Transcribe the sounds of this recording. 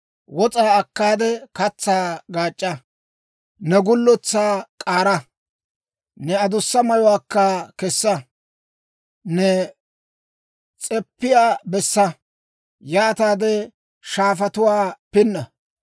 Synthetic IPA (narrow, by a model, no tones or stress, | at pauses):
wɔt͡sʼaːɐkːaːd̪ɛkɐt͡sːaːɡaːt͡ʃʼːɐ | nɛɡʊlːɔt͡sːaːkʼaːɾɐ | nɛɐd̪ʊsːɐmɐjɔwaːkːɐkɛsːɐ | nɛ | t͡sʼɛpːɪjaːbɛsːɐ | jaːt̪aːd̪ɛ | ʃaːfɐt̪ʊwaːpɪnːɐ